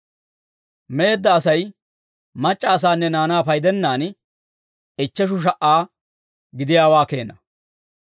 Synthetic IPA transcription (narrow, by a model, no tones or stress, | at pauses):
me̞ːd̪ːɐːsɐj | mɐt͡ʃʼːɐːs̬aːnːɛnaːnaːpɐjd̪ɛnːaːn | ɪt͡ʃːɛʃ̬ʊʃ̬ɐʔaː | ɡɪd̪ɪjaːwaːke̞̰ːnɐ